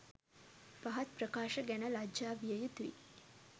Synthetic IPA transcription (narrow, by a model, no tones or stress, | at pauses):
pɐɦɐt̪̚pɾəkaːʃəɡænəlad͡ʒd͡ʒaːʋijəjut̪uḭ